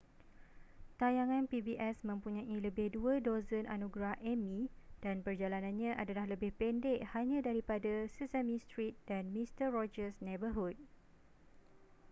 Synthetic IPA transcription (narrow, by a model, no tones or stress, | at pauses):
t̪ajaŋãnpibiʔɛsmə̃mpuɲãʔiləbɪhduədozənʔa̰nũɡɾahʔɛmĩd̥anpərd͡ʒalanãnɲãʔadalahləbɪhpɛndɛʔhaɲãdaɾipadasusamĩst̪ɾit̪̚danmist̪əɹɔd͡ʒəsnebəɦud̚